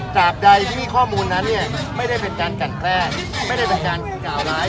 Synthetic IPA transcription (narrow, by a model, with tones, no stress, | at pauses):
t͡ɕaː˨˩k̚da˧jʰiː˥iː˥˩kʰɔː˥˩muː˧nːa˦˥nːi˥˩ɐma˥˩jda˥˩jpe˧nkaː˧nka˨˩nkʰlɛː˥˩ | ma˥˩jda˥˩jta˨˩kaː˧nkʰɯː˨˩kaː˨˦wlaː˦˥